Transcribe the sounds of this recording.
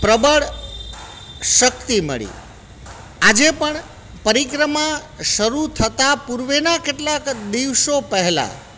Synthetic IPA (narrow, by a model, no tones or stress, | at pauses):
pɾəbəɽ | ʃək̚t̪imə̰ɭḭ | ad͡ʒepəɳ | pəɾikɾəmaʃəɾut̪ʰət̪apuɾʋenakeʈlakd̪iʋʃopəɦɛla̰